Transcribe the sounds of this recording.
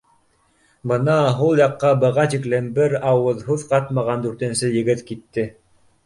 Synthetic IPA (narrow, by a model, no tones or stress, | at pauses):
bɤ̆nɑɦulˠjɑqːɑbɤ̆ʁɑt̪iklɘnbɘɾɑwɤðhʉðqɑt̪mɑʁɑnd̪ʉɾt̪ɘ̆nsɘjɘ̆ɡɘt̪kit̪ːɘ